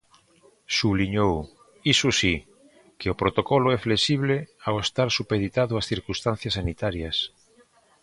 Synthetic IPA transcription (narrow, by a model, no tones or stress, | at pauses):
suβliɲow | isusi | keʊpɾot̪okɔlʊɛflesiβ̞leawest̪aɾsupeðit̪aðʊasθiɾkust̪an̟θjɐsːanit̪aɾjɐs